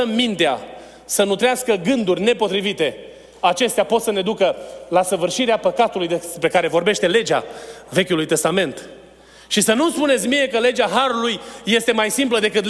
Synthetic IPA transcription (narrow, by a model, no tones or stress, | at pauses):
əmmint̪ea̰ | sənut̪ɾeaskəɡɨnd̪urʲne̞po̞t̪ɾivit̪e̞ | at͡ʃe̞st̪eapo̞t̪səne̞d̪ukəlasəvɨrʃiɾeapəkat̪ulujd̪epɾekaɾe̞vo̞rbe̞ʃt̪e̞le̞d͡ʒa̰ve̞kʲulujt̪e̞st̪ame̞nt̪ | ʃisənumspune̞t̪sʲmije̞kəle̞d͡ʒaɦaɾulujːe̞st̪e̞majsimpləd̪e̞kɨt̪